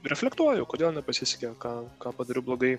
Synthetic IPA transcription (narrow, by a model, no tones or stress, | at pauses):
ɾʲɛfʲlʲɛkt̪uɔjʊkoːd̪ʲeːlˠnʲɛpɐsʲɪsʲɛ̥kʲɛkɑːkɑːpɐd̪ɐɾʲʊblˠoːɡɐɪ